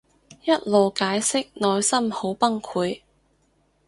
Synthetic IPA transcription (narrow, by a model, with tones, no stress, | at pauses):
jɐ˥t̚lo˨wkaː˨˥jsɪ˥k̚nɔː˨jsɐ˥mho˨˥wpɐ˥ŋkʰuː˨˧j